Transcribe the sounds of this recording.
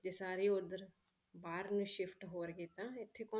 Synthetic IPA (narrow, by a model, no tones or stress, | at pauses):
d͡ʒeːsaːɾiːʊd̪əɾ | baːɾnũːʃɪpʰʈɦoːɾɡeːt̪ãːɪt̪ʰːeːkɔː